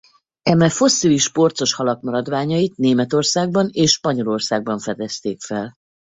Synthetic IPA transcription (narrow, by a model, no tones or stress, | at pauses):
ɛmɛfo̞sːiliʃpo̞rt̪so̞ʃhɒlɒkmɒɾɒd̪ʋaːɲɒjit̪neːmɛt̪o̞rsaːɡ̚bɒneːʃʃpɒɲo̞lo̞rsaːɡ̚bɒɱfɛd̪ɛst̪eːkfɛl